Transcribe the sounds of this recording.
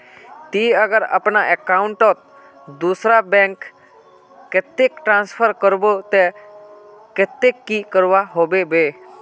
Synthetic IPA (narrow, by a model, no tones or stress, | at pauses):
t̪iːəɡəɾə̰pnaʔekaʊɳʈɔt̪̚ | d̪uːsɾabɛ̃ŋkː | ɪt̪ekʈɾãːnspʰəɾkəɾbot̪e | kɪt̪ekːikəɾʋaɦoːbebe